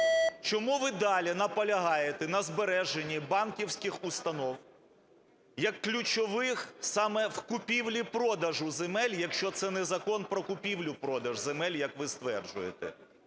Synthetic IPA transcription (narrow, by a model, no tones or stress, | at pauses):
t͡ʃɔmuʋɪd̪ɑlʲinɐpɐlʲɐɦɑjet̪ɛnɐzbeɾɛʒenʲːibɑnkʲiwsʲkɪxʊst̪ɐnɔw | jɐkːlʲʊt͡ʃɔʋɪxsɑmɛwkʊpʲiwlʲipɾɔd̪ɐʒʊzemɛlʲjɐkʃt͡ʃɔt̪sɛnɛzɐkɔnpɾɔkʊpʲiwlʲʊpɾɔd̪ɐʒzemɛlʲjɐkʋɪst̪ʋɛrd͡ʒʊ̰jḛt̪ɛ̰